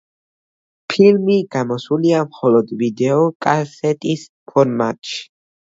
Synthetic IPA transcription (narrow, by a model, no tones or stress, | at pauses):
pʰilmiɡ̥amɔsuliamχɔlɔd̪vid̪ɛɔkʼasɛt̪ʼis | pʰɔɾmat̪ʼʃi̥